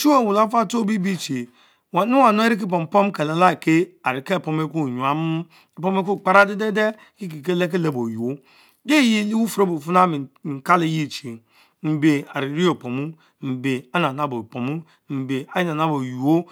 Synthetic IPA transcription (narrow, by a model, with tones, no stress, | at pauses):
t͡ʃu˦o˦˨wu˨la˦fa˦˨to˦bi˦bi˦t͡ʃi˨ | wa˨nu˦wa˨no˦e˦ɾi˦k̬i˦p̬o˨m̩˨po˦m˦ke˨le˨la˦˨ke˦a˨ɾi˨ke˦˨po˨me˦ku˦˨ɲu˨a˨m˦ | e˨po˦m˦e˦k̬u˦˨k͡pa˦ɾa˦de˦de˦de˦ | ki˦k̬i˨ke˦le˦k̬e˦le˦˨bo˨ju˨o˦ | de˦ji˦li˦wu˦fu˨ɾo˦bo˨fu˦na˦mi˨ŋ̩˨ka˦li˦˨˦ji˦˨t͡ʃi˨ | m̩˨be˨a˨ɾi˨ɾi˦o˨po˨mu˦ | m̩˨be˨a˦na˨na˨bo˨po˨mu˦ | m̩˨be˨a˦ji˦na˨na˦bo˨ju˨o˦